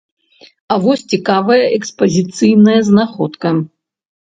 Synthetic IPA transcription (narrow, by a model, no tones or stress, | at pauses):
ɐvɔsʲt͡sʲikavɐjɐʔɛkspɐzʲit̪sɨjnɐjɐznaxɔt̪kɐ